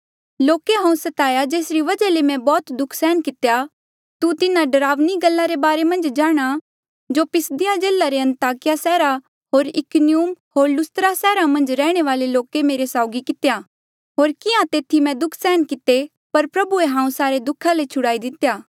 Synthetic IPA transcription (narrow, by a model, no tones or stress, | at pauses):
loːkeɦãːũsɐt̪aːjad͡ʒeːsɾiʋɐd͡ʒalemɛ̃bɔːt̪d̪ʊkʰsɛːnkɪt̪eja | t̪ut̪ɪnãɖɐɾaːʋniɡɐlːaɾebaːɾemɐ̃nd͡ʒd͡ʒaːɽ̃a | d͡ʒopɪsd̪ɪjãd͡ʒeːlaɾeɐ̃nt̪aːkɪjasɛːɾa | ɦoːɾɪkʊnɪjuːmɦoːɾlʊst̪ɾasɛːɾamɐ̃nd͡ʒɾɛːɽ̃eʋaːleloːkemeːɾesaːʊɡikɪt̪eja | ɦoːɾkɪãt̪eːt̪ʰimɛ̃d̪ʊkʰsɛːnkɪt̪e | pɐɾpɾɐbueɦãːũsaːɾed̪ʊkʰalet͡ʃʰʊɽaːid̪ɪt̪ejaː